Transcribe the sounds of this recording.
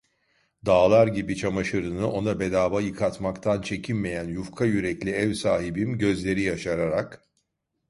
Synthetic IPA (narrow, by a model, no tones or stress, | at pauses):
d̪aːlˠaɾɟibit͡ʃʰamaʃɯɾɯnɯʔo̞nabe̞d̪aːbajɯkʰat̪makt̪ʰant͡ʃʰe̞cʰinme̞jænjufkʰajyɾɛclʲiɛvsaːɦibimɟø̞zlʲe̞ɾijaʃaɾaɾak